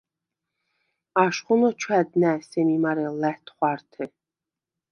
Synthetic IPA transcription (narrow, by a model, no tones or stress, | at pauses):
aʃχɔnɔt͡ʃʰwæd̪næsɛmimaɾɛlæht̪ʰχʷaɾt̪ʰɛ